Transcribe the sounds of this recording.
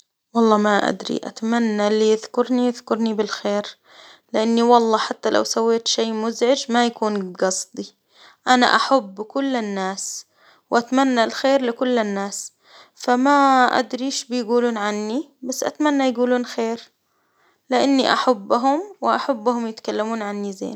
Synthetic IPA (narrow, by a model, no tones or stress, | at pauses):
wɑlˤːɑːmaʔa̰d̪ɾḭʔa̰t̪amanːalːijɪðkʊɾnijɪðkʊɾnibɪlxeːɾ | lɪʔanːiwɑlˤːɑːħat̪ːalʔa̰wsawːeːt̪ʃeːmʊzʕɪd͡ʒmajakuːnɡɑsˤd̪ˤi | ʔana̰ʔaħabːkʊlːɪnːaːs | wʔat̪manːalxeːɾlɪkʊlːɪnːaːs | famaʔa̰d̪ɾiːʃbɪjɡuːluːnʕanːi | basːʔat̪manːajɡuːluːnxeːɾ | lɪʔanːiʔa̰ħabːɦʊmwɪʔaħabːhʊmjɪt̪kalːamuːnʕanːizḛːn